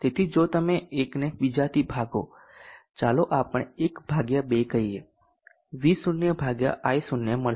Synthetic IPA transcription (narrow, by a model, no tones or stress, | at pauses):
t̪et̪ʰid͡ʒot̪əmeekneʋid͡ʒat̪ʰibʱaɡo̰ | t͡ʃaloʔapəɳ̃ekbʱaɡjabekəie | ʋisʊnjəbʱaɡja̰ʔajsunjəməɭ